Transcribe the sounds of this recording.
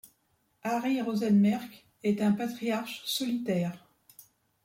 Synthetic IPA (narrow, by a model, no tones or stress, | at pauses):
aʁiʁozɛnmɛʁk | ɛt̪ɛ̃pat̪χijaʁʃsɔlit̪ɛːʁ